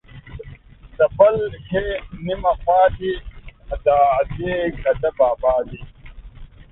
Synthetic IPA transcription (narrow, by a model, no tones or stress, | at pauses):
d̪ɐpɐlheːnimɐxaːt̪iɐd̪aːɐd̪eːkɐdɐbaːbaːd̪i